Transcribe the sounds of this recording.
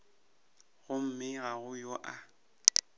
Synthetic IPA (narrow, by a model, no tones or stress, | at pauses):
ɣʊm̩mɪɣaɣʊjoʔa